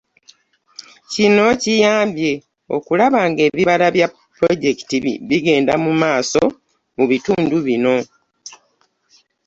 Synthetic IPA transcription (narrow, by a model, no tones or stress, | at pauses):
cino̞cijaːmbje̞ | o̞̰kulaβaːŋɡe̞ːβiβalaβja | pɾo̞ɟe̞ki̥tiβiɡe̞ːndamumaːso̞ | muβituːnduβino̞